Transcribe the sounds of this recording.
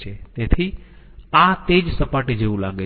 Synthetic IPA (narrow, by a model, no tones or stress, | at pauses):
eːt̪eːt̪ʰi | ãt̪eːd͡ʑsɐpaːʈid͡ʒeũla̰ːɠe